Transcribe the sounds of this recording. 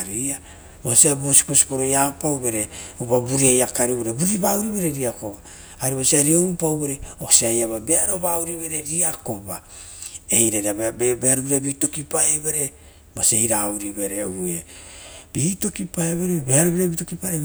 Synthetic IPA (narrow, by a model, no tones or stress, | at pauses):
aɾia | mosiabosi̥kosi̥ko̞ɾojapawβe̞ɾe̞uβabuɾiajakaɾiβeɾebuɾiβauɾiβe̞ɾe̞ɾiakobaː | ɾiβasiaɾiomupawβe̞ɾeosiajaβabeaɾo̞βauɾiβe̞ɾe̞ɾiako̞ba | ejɾaɾaebeaɾubiɾabito̞kipaeβe̞ɾe̞ | baseiɾauɾiβe̞ɾeeb̥iːto̞kipaeβeɾebe̞aɾoβiɾabito̞kipaɾe